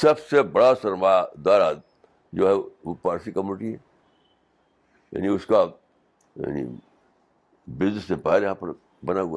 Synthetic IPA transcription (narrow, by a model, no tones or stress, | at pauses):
sɐbsebɐɽasɐɾmad̪aːɾa | d͡ʒoːɦɛʋopaːɾsikɐmjuːnɪʈiɦɛ | ja̰ːniʊska | ja̰ːnḭ | bɪznɪsːepaːeɾjɐɦãːpɐɾ | bɐnaa